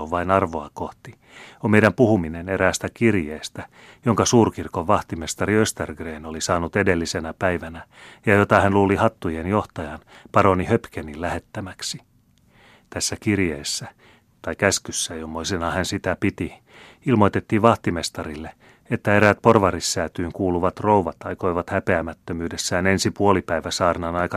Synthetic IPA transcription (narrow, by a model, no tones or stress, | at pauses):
oʋɑinɑrʋoɑkoht̪i | omejdæmpuhumineneɾæːst̪ækirjeːst̪æ | joŋkɑsuːrkirkoʋːɑht̪imest̪ɑɾiøst̪erɡreːno̞lisɑːnut̪edelːisenæpæjʋænæjɑjot̪ɑhænluːlihɑt̪ːujenjoht̪ɑjɑnpɑɾonihøpkenilæhe̞t̪ːæmæksi̥ | t̪æsːækirjeːsːæ | t̪ɑikæskysːæjomːoisenɑhænsit̪æpit̪i | ilmo̞jt̪e̞t̪ːiːʋɑht̪ime̞st̪ɑɾilːe | et̪ːæeɾæt̪̚po̞rʋɑrisːæːt̪yːŋkuːluʋɑt̪ro̞uʋɑt̪ɑjko̞iʋɑt̪hæpeæmæt̪ːømyːdesːæːnensipuolipæiʋæsɑːrnɑnɑjkɑ